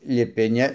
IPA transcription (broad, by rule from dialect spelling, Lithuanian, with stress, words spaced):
lʲɪˈpʲɪ ˈnʲɛ